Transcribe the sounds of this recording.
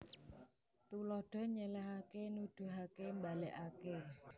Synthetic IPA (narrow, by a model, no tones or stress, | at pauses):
t̪ulɔhɖ̥ɔ̤ɲəlaɦakenud̪̥ṳɦakembalɛʔake